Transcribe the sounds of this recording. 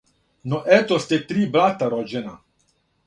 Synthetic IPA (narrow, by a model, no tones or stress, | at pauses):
nɔʔɛt̪ɔst̪ɛt̪ɾiːbɾat̪aɾɔd͡ʒɛna